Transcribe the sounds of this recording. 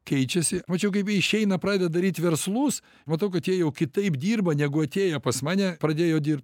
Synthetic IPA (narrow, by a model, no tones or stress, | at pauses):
kʲɛɪt͡ʃʲɛsʲɪmɐt͡ʃʲɛʊkɐɪpjiɛɪʃʲɛɪnɐpɾɑːd̪ʲɛd̪ɐd̪ɐɾʲiːt̪ʲʋʲɛrslˠuːs | mɐt̪ɐʊkɐt̪jiɛjɛʊkʲɪt̪ɐɪpd̪ʲiːrbɐnʲæɡʊɐt̪ʲeːjɛpɐsmɑːnʲɛpɾɐd̪ʲeːjoːdʲiːrp̚t̪